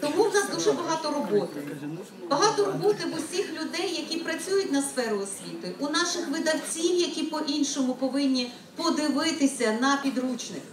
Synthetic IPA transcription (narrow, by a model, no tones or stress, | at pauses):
t̪ɔmuwnɑsd̪uʒɛbɐɦɑt̪ɔɾɔbɔt̪ɪ | bɐɦɑt̪ɔɾɔbɔt̪ɪʋʊsʲixlʲʊd̪ɛjːɐkʲipɾɐt͡sʲujʊt̚ʲnɐsfɛɾʊɔsʲʋʲit̪ɪʔunɑʃɪxʋɪd̪ɐwt͡sʲiwjɐkʲipɔʔinʃɔmʊpɔʋɪnʲːi | pɔd̪ɪʋɪt̪ɪsʲɐnɐpʲid̪ɾut͡ʃnɪ̰x